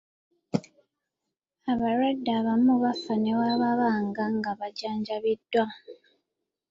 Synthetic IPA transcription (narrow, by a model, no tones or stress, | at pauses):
aβaɾwadːaːβamuβafane̞waːβaβaːŋɡaŋɡaβaɟaːɲɟaβidːwa